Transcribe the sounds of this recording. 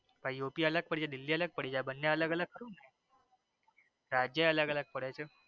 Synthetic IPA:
paijopiːələk̚pəɽid͡ʑad̪ilːiːələk̚pəɽiːd͡ʑjabənːjaələɡələɡ̚kːəɾuːnae | ɾad͡ʑjəjələɡələk̚pəɽajt͡sə

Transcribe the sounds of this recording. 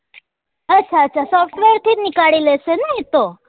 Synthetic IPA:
ətːʃʰaətːt͡ʃʰasɔfʈʋeɾt̪ʰinikaɭileʃenəɦĩt̪o

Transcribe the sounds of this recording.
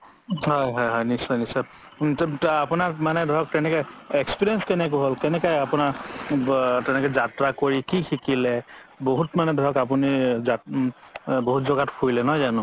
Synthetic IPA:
hɔjɦɔjɦɔjnisɔjnisɔ | tapʊnaɹmanɛdʱɔɔk̚tɛnɛkɛɛkspiɹiɛnskɛnɛk̬ʊɦolkɛnɛkajapʊnaɹ | tɛnɛkɛzatɹakoɹikixikilɛ | boɦutmanɛdʱɔɔkap̬uniza | boɦutzɔɡatkʰuilɛnɔjzanʊ̃

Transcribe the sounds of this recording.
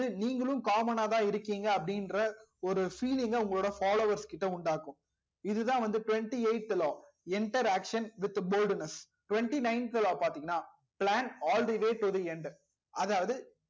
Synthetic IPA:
ɯniːŋɡɐɭɯ̃mkaːmɐnaːt̪ãːɪɾɯkːiːŋɡɐːpːɐɽɪnɾɐɔɾɯfiːlɪŋɡɐʊŋɡɐɭoːɽɐfaːloːʋɐɾskɪʈːɐʊɳɖaːkːʊ̃ | ɪðɯt̪ãːʋɐnd̪ɯʈʊʋɛɳʈieɪʈːɪloː | ɪɳʈɐɾaːkʂɐnʋɪt̪ːboːlɖnɐs | ʈʊʋɛɳʈinɐɪnkɪloːpaːɾt̪iːŋɡɐnːaː | plaːnaːlɾiʋeːʈʊðiɛɳɖ | ʔɐðaːʋɐðɯ

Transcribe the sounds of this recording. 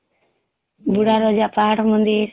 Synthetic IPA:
buɽaɾɔd͡ʒaʔpaɽmɔnd̪iɾ

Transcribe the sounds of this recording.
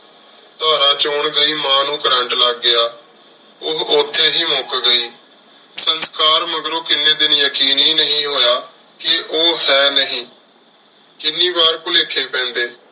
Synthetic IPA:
t̪aːɾãːt͡ʃoʊːɳɡəiːmãːnũːkəɾə̃ɳʈləɡːɪjaː | ʊɦot̪ʰːeːɦiːmoːkɡəiː | sənskaːɾməɡɾoːkɪnːẽːd̪ɪnjəkiːniːnəɦĩːɦoːjaː | kɪʔoːhɛːnəɦĩː | kɪnːiːbaːɾkʊleːkʰeːpɛ̃ːnd̪eː

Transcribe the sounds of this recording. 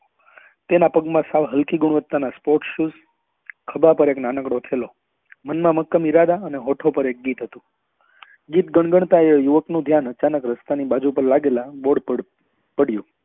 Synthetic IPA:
t̪enapəɡmãsaʋɦəlkiɡʊɽ̃ʋət̪ːanaspoɾʈʃus | kʰəbapəɾeknanəkɽot̪ʰelo | mənmãməkːəmiɾad̪aəneɦoʈʰopəɾek̚ɡit̪ɦət̪ũ | ɡit̪ɡəɳ̃ɡəɳ̃t̪aejuʋəknũd̪ʱjanət͡ʃanəkɾəst̪anibad͡ʒupəɾlaɡelãboɽə | pəɽjũ

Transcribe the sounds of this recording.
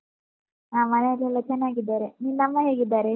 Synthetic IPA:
amɐneɐɾlilɐt͡ʃɐnaːɡid̪ːaɾeniːnɐmːɐɦeːɡid̪ːaɾe

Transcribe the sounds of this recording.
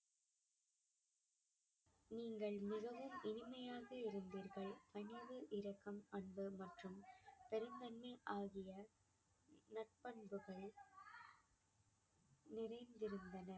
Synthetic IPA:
niːŋɡɐɭmɪɣɐʋɯmɪnɪmɐjaːɣɐɪɾɯnd̪iːɾɣɐɭpɐnɪʋɯʔɪɾɐkːɐmɐɳbɯmɐʈrɯmpɛɾɯnd̪ɐnːɯʔaːɣɪjɐ | nɐʈ̚pɐɳbɯɣɐɭ | nɪrɐɪnd̪ɪɾɯnd̪ɐnɐ

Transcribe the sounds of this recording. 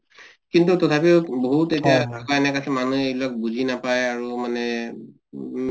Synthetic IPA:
kintutɔtʰapiʊboɦutetijadʱakaɛnɛkasɛmanueblɔk̚buzʱinapajaɹumanɛ

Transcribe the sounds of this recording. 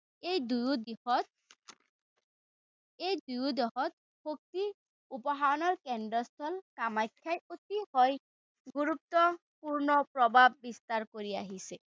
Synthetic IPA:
ejd̪ujd̪ | ejd̪ujud̪ɔɦɔt̪ | hok̚t̪i | upɔɦaɹɔnɔɹkɛɳɖɔst̪ʰɔlkamajkʰːajot̪ihɔj | ɡuɾup̚t̪ɔ | puɹnɔpɹɔbʱab̚ːist̪aɾkoɾia̰ɦise

